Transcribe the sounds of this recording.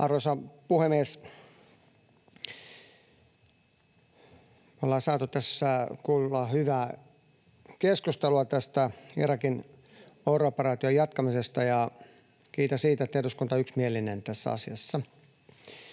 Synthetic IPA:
ɑrosɑpuhemieːs | olːɑsɑːt̪ut̪æsːækuːlːɑhyʋæː | keskust̪eluɑt̪æst̪æirɑkin | ouropːɑrɑːt̪iojɑt̪kɑmisest̪ɑjɑ | kiːt̪æsiːt̪æt̪ːehduskunt̪ɑyksmielinent̪æsːæ̰ɑ̰siɑsːɑ

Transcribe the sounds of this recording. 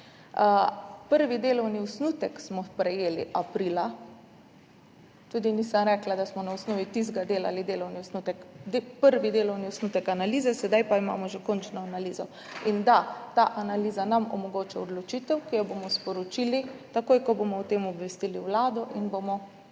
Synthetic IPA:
pəɾʋid̪eːlɔwniɔsnuːt̪ɛksmɔpɾɛjeːlḭʔapɾiːla | t̪uːd̪inisəmɾɛklad̪asmɔnaɔsnoːʋit̪izɡad̪eːla̰lid̪eːlɔwniɔsnut̪ɛkd̪epəɾʋid̪eːlɔwniɔsnut̪ɛkanaliːzɛsɛd̪ajpaima̰ːmɔʒɛkɔnt͡ʃnɔanaliːzɔ | ind̪at̪aːʔanaliːzanamɔ̰mɔɡoːt͡ʃaɔd̪lɔt͡ʃiːt̪ɛwkijɛbomɔspɔɾɔt͡ʃilit̪akoːjkɔbomɔwt̪eːmɔbʋɛst̪iliwlaːd̪ɔʔinbomɔ

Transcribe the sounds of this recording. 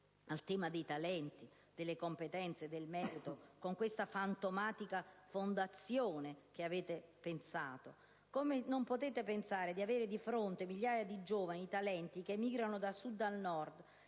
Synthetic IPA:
alt̪ɛːmad̪ejt̪alɛnt̪i | d̪̥elːekompet̪ɛnt̪sed̪elmɛːɾit̪okoŋkwest̪afant̪omaːt̪ikafond̪at̪sjoːnek̟eaveːt̪epensaːt̪o | komenompot̪eːt̪epensaːɾed̪iaveːɾɪd̪ifɾont̪emiʎːjaːjad̪id͡ʒoːvaniːt̪alɛnt̪ik̟emːiːɡɾanod̪asud̪ːalnɔrd̪

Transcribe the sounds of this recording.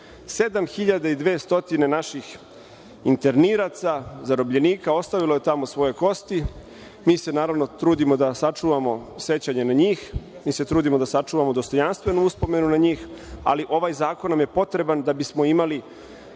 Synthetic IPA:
se̞d̪amxiʎad̪eid̪ʋeːst̪o̞t̪ine̞naʃix | int̪e̞ɾniɾat̪sazaɾo̞bʎe̞niːkao̞st̪aʋilo̞jet̪amo̞sʋo̞jo̞ko̞st̪i | miːse̞naːɾaʋno̞t̪ɾuːd̪imo̞d̪asat͡ʂuːʋamo̞se̞t͡ɕaɲe̞naɲiːxmiːse̞t̪ɾuːd̪imo̞d̪asat͡ʂuːʋamo̞d̪o̞st̪o̞janst̪ʋenuuspo̞me̞nunaɲiːxa̰liʔo̞ʋajzaːkonːamje̞po̞t̪ɾe̞band̪abismo̞imali

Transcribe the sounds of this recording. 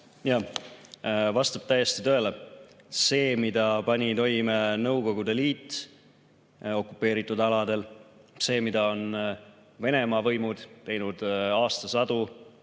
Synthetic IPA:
jɑː | vɑst̪ɑb̥t̪æjest̪it̪øele | se̞ːmid̪̥ɑpɑnʲit̪o̞jmenɤwko̞ɡ̥ud̪e̞liːt̪ː | o̞kːˑupːˑe̞ːɾit̪ːˑud̪ɑlɑd̪e̞lse̞ːmid̪ɑo̞n | ve̞ne̞mɑːvɤjmud̪̥t̪e̞jnud̪̥ɑːst̪ɑsɑd̪̥u

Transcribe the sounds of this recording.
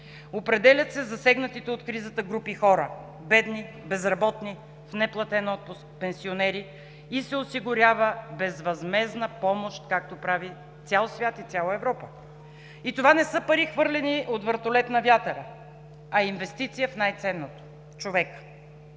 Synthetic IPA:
opɾɛd̪ɛlʲɐt̪sɛzɐsɛɡnɐt̪it̪ɛot̪kɾizət̪əɡɾupixɔɾə | bɛd̪ni | bɛzɾɐbɔt̪ni | fnɛplˠɐt̪ɛnɔt̪̚pʊsk̚pɛnsionɛɾi | isɛosiɡʊɾʲavəbɛzvɐzmɛznəpɔmoʃt̪kak̚t̪opɾavi | t̪sʲalˠsvʲjat̪it̪sʲalˠəɛvɾɔpə | it̪ovanɛsɤpɐɾixvɤɾlʲɛniʔot̪vəɾt̪olɛt̪nɐvʲjat̪ɛɾə | ɐinvɛst̪it̪sijəfnajt̪sɛnːot̪o̥ | t͡ʃovɛk

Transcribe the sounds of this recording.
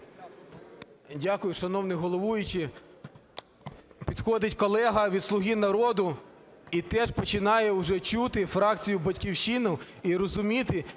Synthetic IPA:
dʲakʊjʊʃɐnɔwnɪɦɔlˠɔʋujʊt͡ʃɪ | pʲid̪xɔd̪ɪtʲkɔlˠɛɦɐʋʲid̪slˠʊɦʲinɐɾɔd̪ʊ | it̪ɛʒpɔt͡ʃɪnɑjɛwʒɛt͡ʃut̪ɪfɾɑkt͡sʲijʊbɐtʲkʲiwʃinɔwiɾɔzʊmʲit̪ɪ

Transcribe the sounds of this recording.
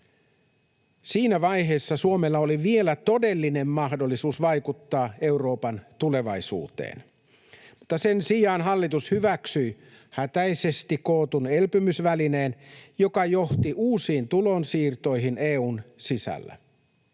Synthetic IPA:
siːnæʋɑjɦe̞ːsːɑsuomelːɑoliʋie̞læt̪o̞de̞lːine̞mːɑɦdo̞lːisuːsʋɑjkut̪ːɑːe̞wro̞ːpɑnt̪ule̞ʋɑjsṵːt̪ḛːn | mut̪ːɑse̞nsijɑːnɦɑlːit̪ushyʋæksyj | hæt̪æjse̞st̪ikkoːt̪une̞lpymysʋæline̞ːnjo̞kɑjo̞ht̪iʔuːsiːnt̪ulo̞nsiːrt̪o̞jɦineːuːnsisæ̰lːæ̰

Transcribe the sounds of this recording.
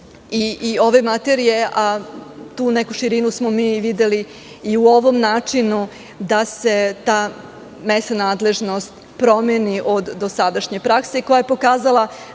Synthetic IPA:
iio̞ʋe̞mat̪eɾijeʔat̪uːnekuʃiɾinusmomiːʋid̪e̞liː | uo̞ʋo̞mnaːt͡ʂinu | d̪ase̞t̪aː | mest̪anaːd̪le̞ʒno̞st̪ | pɾo̞meniʔod̪ːosad̪aʃɲe̞pɾakseko̞jaje̞po̞kaːzalˠa

